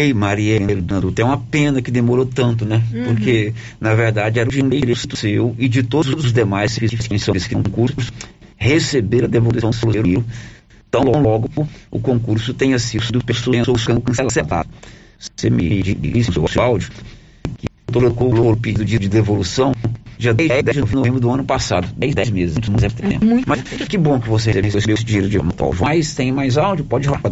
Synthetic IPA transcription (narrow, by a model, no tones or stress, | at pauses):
ejmaɾienlnɐ̃d̪ut̪ẽũmɐpẽnɐkɪd̪emoɾot̪ɐ̃nt̪̬ʊnɛpoɾkʰe | nɐveɾd̪ad͡ʒɪɛɾɐʊʒĩlejd͡ʒiɾesit̪ʊsewɪd͡ʒɪt̪od̪ʊzʊd̪ʊzʊzd̪emajskisifskẽsɐ̃ɪskɪkõkuɾshesebeɾɐd̪evolusɐ̃w̃selueɾʊiʊ | t̪ɐ̃w̃lɔw̃lɔɡʊʊ̰kõkuɾsʊt̪ẽj̃ɐsisid̪ʊpesõɐsoskɐ̃kẽsɛlasɛd̪a̰d̪semḭd͡ʒḭissḛwseawd͡ʒʊ | kɪ | t̪oɾkõloɾʊpid͡ʒid̪ʊd͡ʒid͡ʒɪd̪evolusɐ̃w̃d͡ʒiɐd̪jzɛjd̪d͡ʒɪovẽnovẽmbɾʊd̪ʊɐ̃nʊpasa̰d̪ʊd̪ɛjzd̪ɛjzmezɪst̪ʊmũzɛ̃t̪ḛ̃pmũmɐskɪbõkɪvos̬eheseheseesɪebes̬ɪd͡ʒĩɲejɾʊd͡ʒɪ̰mɐt̪a̰wd͡ʒumajst̪ẽj̃majzawd͡ʒʊpɔd͡ʒɪhoapɐ